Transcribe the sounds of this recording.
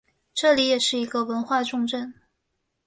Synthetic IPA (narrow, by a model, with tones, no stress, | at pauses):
ʈ͡ʂɤ˥˩li˧˥jɛ˨˩ʂɻ̩˥˩i˧˥ɡə˧wə˧˥nxwa˥˧ʈ͡ʂʊ˥˧ŋʈ͡ʂə˥˩n